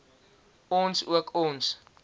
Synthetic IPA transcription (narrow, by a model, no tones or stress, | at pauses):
ɔnsuəkʰɔns